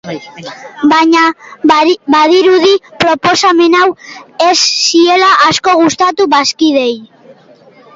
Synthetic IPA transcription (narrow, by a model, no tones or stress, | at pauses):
baɲa | baðiɾuð̞ipɾo̞po̞same̞nawesːie̞laʔasko̞ɣ̞ust̪at̪uβaskiðe̞j